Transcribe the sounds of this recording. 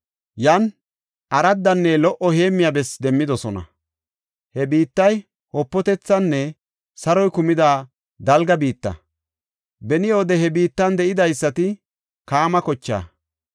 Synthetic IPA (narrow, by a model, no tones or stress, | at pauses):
jɐn | ʔɐɾɐd̪ːɐnːɛlɔʔɔhe̞ːmːɪjabɛsd̪ɛmːɪd̪ɔsɔnɐ̰ | hɛbiːt̪ːɐj | hɔpːɔt̪ɛt͡sːɐnːɛ | sɐɾɔjkʊmɪd̪aː | d̪ɐlɡɐbiːt̪ːɐ̰ | bɛnɪjo̞ːd̪ɛɦɛbiːt̪ːɐnd̪ɛʔɪd̪ɐjsːɐt̪ɪ | kaːmɐkɔt͡ʃːa̰ː